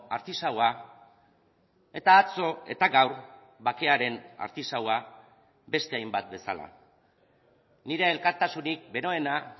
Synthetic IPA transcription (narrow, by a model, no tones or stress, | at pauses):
a̰ɾt̪isawa | e̞t̪aːt͡so̞e̞̰t̪aɡawɾ | bake̞aɾe̞na̰ɾt̪isawa | be̞st̪e̞ajmbat̪̚be̞sa̰la̰ | niɾe̞ːlkaɾt̪asunik̚be̞ɾo̞e̞na